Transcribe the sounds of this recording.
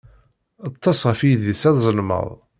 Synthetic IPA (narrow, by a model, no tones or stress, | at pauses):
ət̪ˤːɑsʁəfijðisæðzˤəlmə̰ðˤ